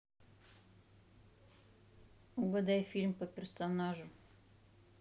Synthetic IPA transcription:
uɡɐd̪ajfʲilʲmpəpʲɪrsonaʒʊ

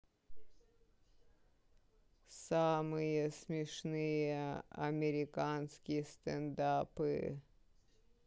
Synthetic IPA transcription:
samɨjəsmʲɪʂnɨjəɐ̰mʲɪɾʲɪkanskʲɪjəst̪ɛnd̪apɨ

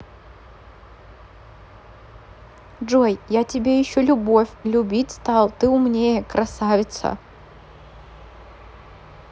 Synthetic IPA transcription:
ʐojjatʲɪbʲejɪɕːolʲʊbo̞fʲlʲʊbʲitʲst̪ɑlˠt̪ɨʊmnʲejəkɾɐsavʲɪt̪sə̰

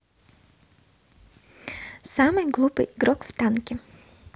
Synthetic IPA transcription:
samɨjɡlˠupɨ̰jʔiɡɾɔkft̪ankʲɪ

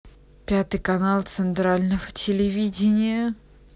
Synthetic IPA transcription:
pʲat̪ɨjkɐnalˠt̪sɨnt̪ɾalʲnəvətʲɪlʲɪvʲidʲɪnʲɪjə

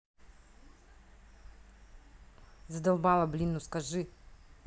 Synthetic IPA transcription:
zɐd̪ɐlˠbalˠɐblʲinːuskaʒɨ

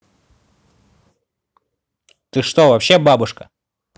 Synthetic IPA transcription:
t̪ɨʂt̪ovɐpɕːebabʊʂkə

